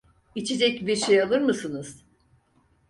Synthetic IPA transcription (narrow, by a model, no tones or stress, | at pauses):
it͡ʃʰed͡ʒɛcbiɾʃejalˠɯɾmɯsɯnɯz̥